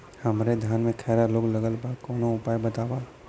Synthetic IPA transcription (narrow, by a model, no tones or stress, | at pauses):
hɐmɾed̪ʱjaːnmẽkʰɛːɾaloːɡləɡəlbakɔːnõʊpaːjbət̪aːwaː